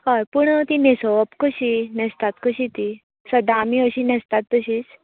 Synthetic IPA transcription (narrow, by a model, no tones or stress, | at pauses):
kəɾpuɳt̪inesopkəɕinɛst̪at̪kəɕit̪i | səd̪amiəɕinɛst̪at̪ːəɕiːt͡s